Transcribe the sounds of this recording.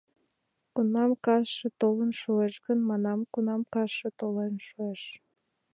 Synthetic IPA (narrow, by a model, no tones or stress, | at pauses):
kunɑmkɑʃet̪olənʃueʃɣənmɑnɑmkunɑmkɑʃet̪olenʃueʃ